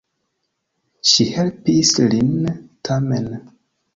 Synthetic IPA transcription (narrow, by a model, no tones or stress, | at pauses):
ʃihelpislintʰamen